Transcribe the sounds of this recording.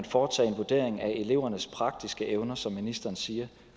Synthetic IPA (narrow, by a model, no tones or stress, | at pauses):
nfɒːt͡sʰɛ̰ːe̝nʋoɐd̥e̝ɐ̰e̝ŋæe̝le̝ʊ̰ɐnəspʰʁɑ̈ɡ̥̚d̥isɡ̥əʔeʊnɐsɒ̽mːinisd̥ɐːnsiːɐ